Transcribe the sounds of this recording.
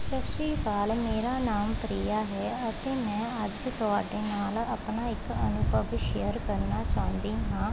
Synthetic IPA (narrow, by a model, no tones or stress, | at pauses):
ʃəʃiːkaːlmeːɾaːnaːmpɾiːjaːɦɛːət̪eːmɛ̃ːəd͡ʒt̪ʊaːɖeːnaːləpnaːɪkənʊbəʋʃəɾkəɾnaːt͡ʃaːʊ̃nd̪iːɦãː